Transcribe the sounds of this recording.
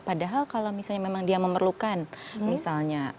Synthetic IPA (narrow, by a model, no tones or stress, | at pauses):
padaɦalkalawmisalɲamemaŋdiaməmərlukanmisalɲa